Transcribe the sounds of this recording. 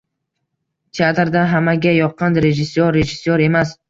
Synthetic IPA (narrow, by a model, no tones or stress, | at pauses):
t̪ʰiat̪ɾd̪aɦamaɡʲajɒqʰːɑnɾe̞ʒɪsːjoɾːe̞ʒɪsːoɾe̞mas